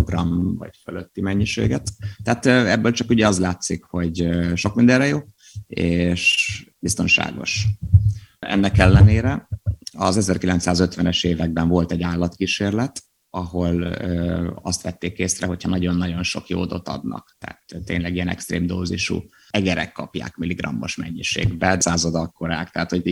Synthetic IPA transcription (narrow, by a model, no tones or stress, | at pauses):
roɡrɒmvɒ̰ɟføløt̪ːimɛɲːiʃḛːɡɛt̪ːɛaːt̪ːɛbːøːlt͡ʃɒkuɟɛɒzlaːt̪sikho̞ɟʃo̞k̚mind̪ɛrːɛjoː | eːʃbist̪o̞nʃa̰ːɡo̞̰ʃ | ɛ̰nːɛkɛlːɛneːɾɛɒzɛzɛrkilɛnt̪saːzøt̪ʋɛnɛʃeːvɛɡ̚bɛɱvo̞lt̪ɛɟːaːlːɒt̪kiʃeːrlɛt̪ | ɒɦo̞lː | ɒst̪ʋɛt̪ːeːkeːsrɛɦo̞chɒnɒɟo̞nːɒɟo̞nʃo̞kjo̰ːd̪o̞t̪ɒ̰d̪nɒ̰kt̪a̰ːt̪t̪ːeːɲlɛɡijɛnɛ̰kst̪reːmd̪oːzḭʃṵ | ɛɡɛɾɛ̰kːɒpja̰ːkmiliɡrɒ̰mːo̞ʃmɛ̰ɲːiʃḛːɡbɛsaːzod̪ɒkːo̞ɾaːkt̪ɛaːt̪ho̞ɟ